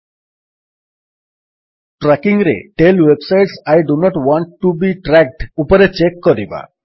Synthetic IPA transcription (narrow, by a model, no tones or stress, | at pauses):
ʈɾɛkiŋɾḛʈelwebsajʈsajɖunɔʈwɔɳʈːubiʈɾɛk̚ɖupoɾet͡ʃekːoɾiba̰